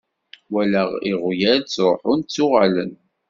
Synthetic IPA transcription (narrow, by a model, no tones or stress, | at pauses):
wælæʁiʁjæɾt͡sːɾˤoħʊnt͡sːʊʁalə̰n